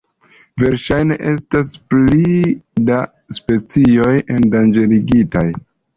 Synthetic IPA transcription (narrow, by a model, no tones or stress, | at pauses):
ve̞ɾʃajne̞̰ʔe̞stasplida | spe̞t͡sio̞je̞ndand͡ʒe̞liɡitaj